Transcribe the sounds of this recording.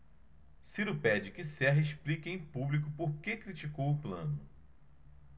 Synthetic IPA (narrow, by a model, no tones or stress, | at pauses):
siɾʊpɛd͡ʒɪkɪsɛɦɐɪʃplikẽj̃publikʊpoɾkekɾit͡ʃikowʊplɐ̰̃nʊ